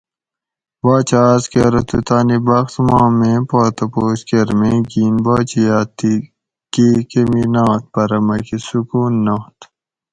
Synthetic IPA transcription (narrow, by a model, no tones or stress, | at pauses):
baːt͡ɕaːskeɾɐt̪ut̪aːnibɐxt̪mãːmẽːpoːt̪ɐpoːɕkeɾmeɡiːnbaːt͡ɕijaːt̪i | kikeminaːt̪̚pɐɾɐmɐkisukuːnːɐt̪